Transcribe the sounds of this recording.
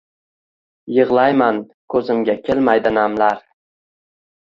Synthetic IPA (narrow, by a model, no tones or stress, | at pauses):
jɨʁlˠajman | kʰɵzɪmɡʲakʲʰelmajd̪ɪnamlaɾ